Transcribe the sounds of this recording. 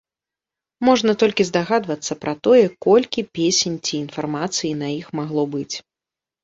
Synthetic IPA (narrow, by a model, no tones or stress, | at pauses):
mɔʐnɐt̪ɔlʲkʲizd̪aɣad̪vɐt̪sːɐpɾʔɐt̪ɔjɛkɔlʲkʲipʲesʲenʲt͡sʲiːnfarmat̪sɨjinɐjixmaɣlˠɔbɨt͡sʲ